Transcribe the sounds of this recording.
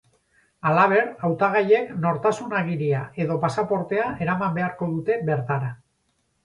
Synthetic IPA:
alaβ̞e̞ɾawt̪aɣ̞aje̞kno̞ɾt̪asunaɣ̞iɾiae̞ðo̞pasapo̞ɾt̪e̞aʔe̞ɾamambe̞aɾko̞ðut̪e̞βe̞ɾt̪aɾa

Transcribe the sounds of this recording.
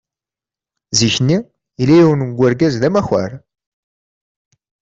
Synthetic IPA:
ziçnːi | ilæjiwənɡʷːæɾɡæzðæmæxæ̰ɾ

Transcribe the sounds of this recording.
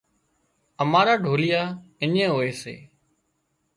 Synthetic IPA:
əmaːɾaːɖʱoːlɪjaːɪɲẽːɦoːeːsḛː

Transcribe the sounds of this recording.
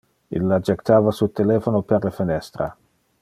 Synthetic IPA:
ḭlːad͡ʒekt̪ʰaːvasult̪eleːfonopeɾlefinɛst̪ɾa̰

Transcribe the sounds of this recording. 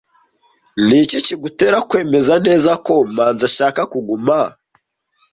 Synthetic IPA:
niciciɡuteɾakwe̞mezane̞zako̞maːnzaʃakakuɡuma

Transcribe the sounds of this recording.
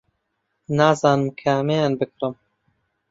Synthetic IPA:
nɑːzɑːnɨmkʰɐmejaːnbɨkɾɨm

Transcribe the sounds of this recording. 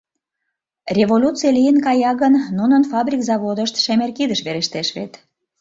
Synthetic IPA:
rʲeβolʲut͡sijəlʲijənkɑjɑɣənːunənfɑbɾʲikzɑβod̪əʃt̪ʃæmerkid̪əʃβeɾeʃt̪eʃβḛt̪

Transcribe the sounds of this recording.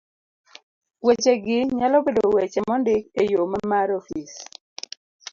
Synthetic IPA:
wet͡ʃeɡɪɲalɔbedowet͡ʃɛmɔndɪkejomamaɾofis

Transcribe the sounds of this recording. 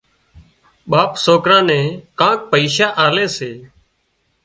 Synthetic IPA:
ɓaːpsoːkɾãːnẽːkãːk̚pəiːʃaːʔaːleːseː

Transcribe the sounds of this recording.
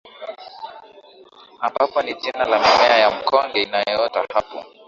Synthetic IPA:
ambapɔnid͡ʒinalamimɛajam̩kʰɔŋɡɛinajɔɔtahapɔ̰

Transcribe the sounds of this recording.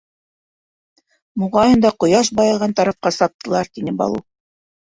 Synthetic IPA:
muʁɑjɤ̆nd̪ɑqŏjɑʃ̬bɑjɑlˠʁɑnt̪ɑɾɑfqɑsɑp̚t̪ːʰɤ̆lˠɑɾt̪inɘbɑ̰lˠu

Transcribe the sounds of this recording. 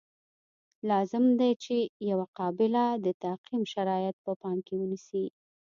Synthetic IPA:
lɑzɪmd̪ajt͡ʃejawaqɑbɪlad̪ət̪aqimʃaɾɑjat̪̚pəpɑmkewənisi

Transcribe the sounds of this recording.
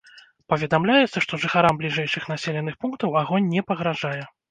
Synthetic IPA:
pɐvʲɛd̪amlʲajɛt̪sːɐʂt̪ɔʐɨxaɾamblʲiʐɛjʂɨxn̪asʲelʲɛnːɨxpunkt̪ɐwaɣɔnʲːɛpɐɣɾaʐajɛ

